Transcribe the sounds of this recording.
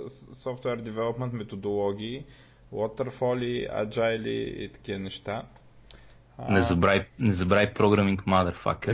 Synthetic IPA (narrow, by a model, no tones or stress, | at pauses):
sɔft̪wɛɾd̪ɛvɛlˠopmɛ̃nt̪mɛt̪od̪olˠɔɡʲiː | wɔt̪ɛɾfɔlʲia̰d͡ʒaɛlḭḭt̪ɐ̥k̟ivənɛʃt̪a | nɛzɐbɾajnɛzɐbɾajpɾɔɡɾamiŋkmad̪əɾfa̰k̪̚ə